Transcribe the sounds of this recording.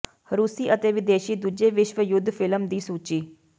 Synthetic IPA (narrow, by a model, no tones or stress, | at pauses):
ɾuːsiːʔət̪eːʋɪd̪eːʃiːd̪uːd͡ʒeːʋɪʃʋəjʊd̪ʱːfʰɪləmd̪iːsuːt͡ʃiː